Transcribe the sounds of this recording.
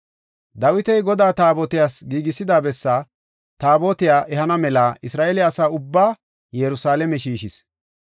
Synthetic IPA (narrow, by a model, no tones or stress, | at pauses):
d̪ɐwɪt̪ɛjɡɔd̪aːt̪aːboːt̪ɪjaːsɡiːɡɪsːɪd̪aːbɛsːaː | t̪aːboːt̪ɪjaːʔɛhɐnɐmɛlaːɪsɾaːʔeːlɪɐsaːʊbːaː | jɛɾʊsaːlɛmɛʃiːʃɪs